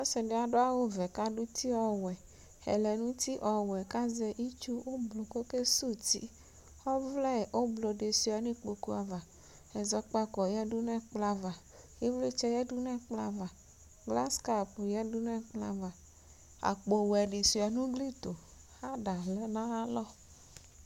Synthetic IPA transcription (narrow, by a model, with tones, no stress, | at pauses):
ɔ˦sɛ˨ɖe˨˦a˨ɖo˦a˦wo˦vɛ˨ka˦ɖu˦t̪i˦ɔ˨wɛ˨ | hɛ̰˨lɛ˨nũ˦t̪i˦ʔɔ˨wɛ˨ka˦zɛ˨ʔi˦t͡ʃu˦wo˦blo˨ko˦ke˦su˦t̪ḭ˦ | ɔ˦vlɛ˦˨o˦blo˨ɖe˨su˨˦a˨nĩ˦k͡po˨ku˦a˨va˨ | hɛ˨zɔ˦k͡pa˦kɔ˨jɛ˦du˦n˦ɛ˦k͡pla˨va˨ | e˦vle˦t͡ʃɛ˦jɛ˦du˦n˦ɛ˦k͡pla˨va˨ | ɡla˦ska˦pjɛ˦du˦n˦ɛ˦k͡pla̰˨va˨ | a̰˨k͡po˨wɛ˨ɖe˨su˨a˨nũ˦ɡli˦t̪o˨ | ha˦da˨lɛ˦nã˦a˦lɔ˦